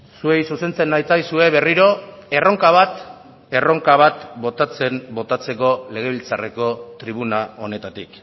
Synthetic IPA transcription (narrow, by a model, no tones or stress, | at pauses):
sue̞jsuse̞nt͡se̞nːajt͡sajsue̞βe̞riɾo̞e̞ro̞ŋkaβ̞at̪ | e̞ro̞ŋkaβat̪bo̞t̪at͡se̞mbo̞t̪at͡se̞ko̞le̞ɣ̞e̞β̞ilt͡sare̞ko̞t̪ɾiβ̞unao̞ne̞t̪at̪ik